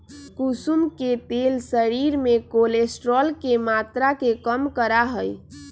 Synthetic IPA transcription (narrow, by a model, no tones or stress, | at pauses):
kusumket̪elsəɾiɾmekolesʈɾɔlkemat̪ɾakekəmkəɾaɦəj